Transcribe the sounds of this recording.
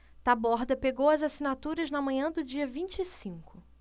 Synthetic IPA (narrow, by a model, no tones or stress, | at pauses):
t̪abɔɾd̪ɐpeɡowɐzasinat̪uɾɐznɐmɐ̃ɲɐ̃d̪ʊd͡ʒiɐvĩnt͡ʃisĩŋkʊ